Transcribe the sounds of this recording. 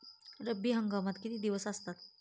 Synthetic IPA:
ɾəbiɦəŋɡamat̪kit̪id̪iwəsast̪at̪̚

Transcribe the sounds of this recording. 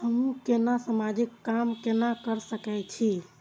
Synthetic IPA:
həmũkenasamad͡ʒikːamkenakəɾsəkɛjt͡ʃʰi

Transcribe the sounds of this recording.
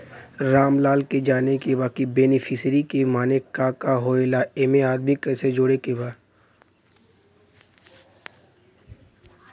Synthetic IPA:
ɾaːmlaːlked͡ʒaːnekebaːkibeːnɪfʰɪsɾikemaːnekaːkaɦoːelaeːmeaːd̪mikːɛːsed͡ʒoːɽekebaː

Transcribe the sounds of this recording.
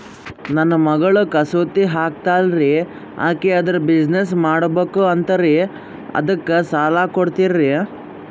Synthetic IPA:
nɐnːɐmɐɡɐɭukɐsot̪iɦaːk̚t̪aːlɾi | a̰ːkeɐd̪ɐɾɐbid͡ʒnes̬maːɽbeːkuɐnt̪ɐɾi | ɐ̰d̪ɐkːesaːlaːkoɽt̪iɾːi

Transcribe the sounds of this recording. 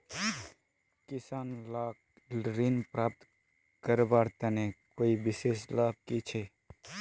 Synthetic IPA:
kɪsaːnlaːk | ɾinpɾaːp̚t̪ | kəɾbaːɾt̪ɐnekoːibɪseːslaːb̚kit͡ʃʰe

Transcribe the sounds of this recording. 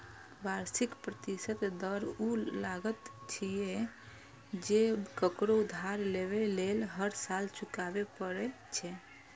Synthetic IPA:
baɾsikpɾət̪isət̪d̪əɾulaɡət̪t͡ʃʰije | d͡ʒekəkɾod̪ʱaɾleβelelɦəɾsalt͡ʃukabepəɾɛ | t͡ʃʰɛ

